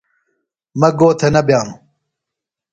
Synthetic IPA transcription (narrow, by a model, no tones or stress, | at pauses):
mɐɡoːt̪ʰɐnɐbjaːm